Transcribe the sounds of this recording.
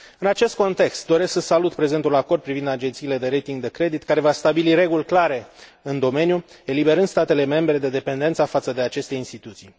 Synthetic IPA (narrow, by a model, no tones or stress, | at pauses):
ɨnat͡ʃe̞st̪̚ko̞nt̪e̞kst̪̚d̪o̞ɾe̞sksəsalut̪pɾe̞ze̞nt̪ulako̞rd̪̚pɾivind̪ad͡ʒe̞nt̪siːle̞d̪e̞ɾe̞jt̪iŋɡd̪e̞kɾe̞d̪it̪kaɾe̞vast̪abiliɾe̞ɡulʲklaɾe̞ɨnd̪o̞me̞nju | e̞libe̞ɾɨnd̪st̪at̪e̞le̞me̞mbɾe̞d̪e̞d̪e̞pe̞nd̪ent̪safat̪səd̪e̞at͡ʃe̞st̪e̞inst̪it̪ut̪sij